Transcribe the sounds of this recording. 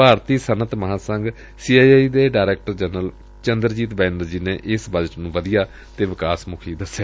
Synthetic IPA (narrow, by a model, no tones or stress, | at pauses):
paːɾt̪iːsənət̪məɦãːsəŋɡ | siːaːiaːiːd̪eːɖaːɾɛːk̚ʈəɾd͡ʒənəl | t͡ʃənd̪əɾd͡ʒiːt̪bɛːɪnəɾd͡ʒiːneːʔɪsbəd͡ʒəʈnũːʋəd̪ijaː | t̪eːʋɪkaːsmʊkʰiːd̪əseː